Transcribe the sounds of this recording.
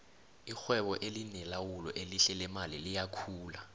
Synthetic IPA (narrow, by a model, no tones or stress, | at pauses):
ixwɛɓɔʔelinɛlawulɔʔeliɬɛlɛmalilijakʰuːla